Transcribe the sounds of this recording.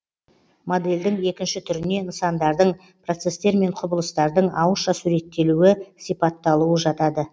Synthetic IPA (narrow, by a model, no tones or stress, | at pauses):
mo̞d̪e̞ld̪ɪŋe̞kʲɪnʃɪt̪ʰʏɾɪne̞ɪnsɑnd̪ɑɾd̪əɴ | pro̞t̪se̞st̪e̞ɾme̞ɴqʰʊbəlˠəst̪ɑɾd̪əɴɑwəʃɑsuɾe̞t̪ːe̞luɪsijpɑt̪ːɑlˠuwəʒɑt̪ɑd̪ə